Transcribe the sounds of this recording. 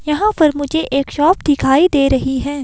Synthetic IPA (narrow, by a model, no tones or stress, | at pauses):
jɐɦãpɐɾmʊd͡ʒʱeʔeːkʃɔːpd̪ɪkʰaːid̪eːɾɐɦiɦɛ̃ː